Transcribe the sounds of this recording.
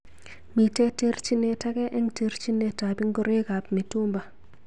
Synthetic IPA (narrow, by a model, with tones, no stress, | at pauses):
mi˨tɛ˦te˦ɾt͡ʃi˦ne˨ta˦kɛ˦ʔɛ˦ŋte˦ɾt͡ʃi˦ne˨ta˨bi˦ŋɡɔ˦ɾe˦ka˨pmi˨tu˦mba˨